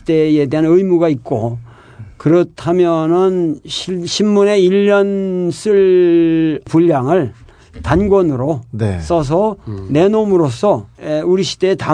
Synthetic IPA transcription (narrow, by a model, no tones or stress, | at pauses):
id̥ejede̞ɦanɯjmuɡaik̚k͈o | kɯɾʌtʰamjʌnɯnɕʰɕʰinːune̞iʎːʌns͈ʰɯɭ | puʎːaŋɯɭ | tanɡwʌnɯɾones͈ʌs̬ʰʌne̞nomɯɾosʰʌeuɾiɕʰi̥de̞ːta